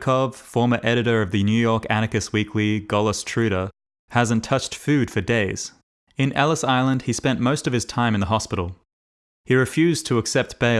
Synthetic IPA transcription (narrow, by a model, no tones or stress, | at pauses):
kʰɑv̥fɔɹmə˞ʔɛɾɨɾə˞ʌvðɨnjʉjɔɹkæñɨkɨswikʰliɡɑlˠəstʰɹ̥ʉɾə˞ | hæzɨ̃n̩tʰʌt͡ʃtfʉd̥fə˞deɪz̥ | ɨ̃nɛ̰lˠəsaɪlˠə̃nd̥̚ispɛ̃nmoʊstʌv̥ɨz̥tʰãɪ̃m̃nðəɦɑspɪɾl̩ˠ | hiɹɨfjʉztʰəːksɛp̚t̚b̥eɪ